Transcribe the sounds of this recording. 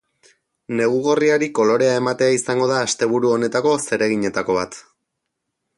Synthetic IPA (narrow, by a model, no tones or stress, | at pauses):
ne̞ɣuɣoriaɾiko̞lo̞ɾe̞ae̞mat̪e̞aisaŋɡo̞ðaːst̪e̞β̞uɾuo̞ne̞t̪ako̞se̞ɾe̞ɣ̞iɲe̞t̪ako̞β̞at̪